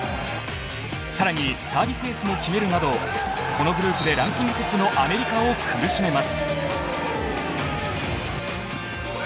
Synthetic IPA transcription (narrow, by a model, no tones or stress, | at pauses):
saɾaɲ̟isaːbʲise̞ːsɨmo̞kʲime̞ɾɯ̟nad̪o̞kʰo̞no̞ɡɯ̟ɾɯ̟ːkɯ̟d̪e̞ɾãñt͡sĩmʲɾʲikokɨno̞ʔame̞ɾʲikaokʰɯ̟ɾɯ̟ɕime̞masɨ̥